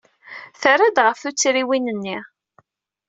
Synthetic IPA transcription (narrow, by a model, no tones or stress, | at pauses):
θəɾad̪ʁəfθut͡sːɾiwinənːi